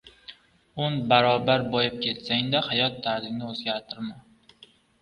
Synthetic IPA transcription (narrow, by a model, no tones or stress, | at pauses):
ʊnbaɾɒbaɾbɒjɪp̚kʲʰe̞t̪saŋd̪ahajɒt̪ʰːaɾzɪŋnɪɵzɡʲaɾt̪ʰɪɾma